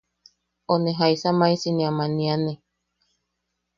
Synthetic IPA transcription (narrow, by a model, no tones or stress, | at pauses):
onẽɦaisamãisinĩamãnĩanẽ